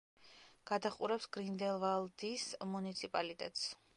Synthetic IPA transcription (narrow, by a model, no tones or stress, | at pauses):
ɡ̥ad̪aχʼṵɾɛpsɡ̥ɾind̪ɛlˠvalˠd̪ismunit̪sʰipʼalit̪ʼɛ̰t̪ʼs